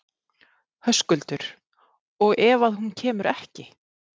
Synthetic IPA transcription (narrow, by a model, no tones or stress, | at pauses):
hœskʏlt̪ʏɾ̥ | ɔɣɛːvaðhuncʰɛːmʏɾɛhcɪ